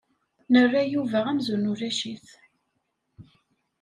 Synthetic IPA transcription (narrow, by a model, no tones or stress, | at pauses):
nərːajuvəʁæmzunuɾæʃiθ